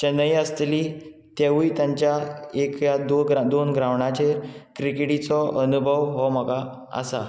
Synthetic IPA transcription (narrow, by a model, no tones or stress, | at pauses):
t͡ɕenəjəst̪liːt̪jeʋiːt̪jaɲt͡ɕjaekjad̪oɡɾad̪onɡɾãʋɳat͡ɕeɾkɾikɽit͡sɔʔənubʱəʋɦɔm̤əɡa | ə̰sa